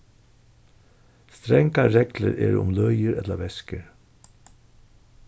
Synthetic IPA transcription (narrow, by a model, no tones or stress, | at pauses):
st̪ɾɛŋkaɾɛɡlə̰ɾʔḛːɾʊ̰mlœʏjəɾɛt̪ləʋɛskəɾ